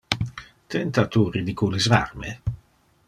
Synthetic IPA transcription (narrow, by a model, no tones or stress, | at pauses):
t̪ɛnt̪at̪uɾid̪ikʰulizva̰rme